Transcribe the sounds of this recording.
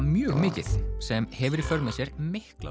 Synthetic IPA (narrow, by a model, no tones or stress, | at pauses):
mjœːɣmɪːcɪθsɛmhɛvʏɾifœɾmasjɛɾ̥mɪhkla̰